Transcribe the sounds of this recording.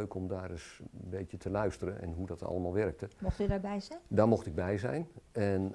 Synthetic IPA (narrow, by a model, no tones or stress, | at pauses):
øɥkɔmdaːɾɪsbejtjətʰəlœɥstəɾənʔɛ̰nɦudɔtɑ̰ləmaːlˠʋɛrk̚təmɔxtydabɛjzɛdaːɹmɔxtɪɡ̚bɛjzɛ̰jnɛn